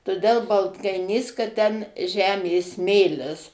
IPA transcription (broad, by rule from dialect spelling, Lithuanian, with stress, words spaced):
toːˈdʲɛlˠ bɐlˠtkɐɪˈnʲiːs kɐt tʲɛn ˈʒʲæːmʲeː ˈsʲmʲeːlʲɪs